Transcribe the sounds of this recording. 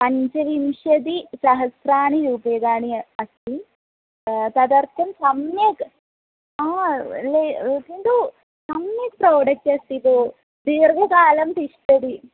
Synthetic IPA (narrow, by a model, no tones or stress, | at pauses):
pɐɲt͡ʃɐʋimʂɐd̪isɐɦɐsɾaːɳiɾuːpɐjɡaːɳiɐst̪i | t̪ɐd̪ɐɾt̪ʰɐmsɐmnjɐk | aːlekiɳɖ̪u | sɐmnjɐkpɾoːɖɐk̚ʈɐst̪id̪u | d̪iːɾʋɐkaːlɐmt̪iʂʈɐd̪i